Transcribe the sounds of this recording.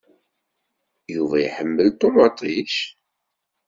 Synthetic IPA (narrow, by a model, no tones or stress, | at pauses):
juvɑ̰jħəmːəlt̪omɑt̪ˤiʃ